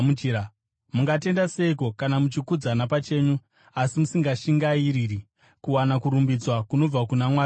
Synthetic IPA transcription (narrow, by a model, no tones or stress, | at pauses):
ia | muŋɡate̞ndase̞iko̞kanamut͡ʃikud͡zanapat͡ʃe̞ːɲu | asimusiŋɡaʃiŋɡaiɾiːri | kuwanakuɾumbid͡zwakuno̞b͡vakunamwaː